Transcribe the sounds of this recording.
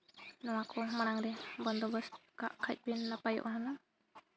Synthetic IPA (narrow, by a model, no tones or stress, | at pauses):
nɔwakɔmaɽaŋɾɛbɔnd̪ɔbəska̰ʔkʰac̚ˀbinːapajɔ̰ʔɦana